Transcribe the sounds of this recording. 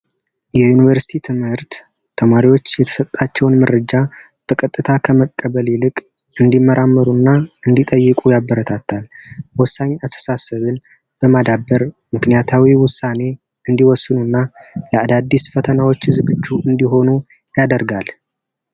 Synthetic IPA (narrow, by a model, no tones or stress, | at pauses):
jɛjunivəɾsi̥t̪ʰit̪ʰɨmhɨɾt̪ːʰ | əmaɾiwo̞t͡ʃːjɛt̪ʰə̥sət̪ʼːat͡ʃːɛwnməɾəd͡ʒa | b̥əkʼət̪ʼːɨt̪ʰakʰəməkʼːəβəlilɨkʼ | ɨnd̪imːəɾamːəɾunːaɨnd̪it̪ʼəjːɨkʼujabːəɾət̪ʰat̪ʰːalwɔsːaɲːast̪ʰə̥sasəβɨn | b̥əmad̪abːəɾ | mɨknijat̪ʰawiwʊsːane̞ | ɨnd̪iwɔsːɨnunːaləad̪ad̪ːisfət̪ʰənawo̞t͡ʃːzɨɡɨd͡ʒːuʔɨnd̪iɦo̞nu | jad̪əɾɡal